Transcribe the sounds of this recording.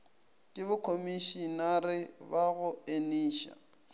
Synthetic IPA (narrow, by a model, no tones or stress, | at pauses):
kʼɪbʊkʰomiʃinarɪbaɣʊeniːʃa̰